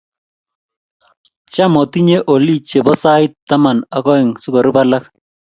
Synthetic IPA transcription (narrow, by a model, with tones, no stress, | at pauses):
t͡ʃa˦mɔ˨ti˦ɲe˦ʔo˨li˦˨t͡ʃe˨bɔ˦sa˦ɪ˦tːa˦ma˨na˨kɔ˦ɪ˨ŋsʊ˦kɔ˨ɾu˦ba˦la˦k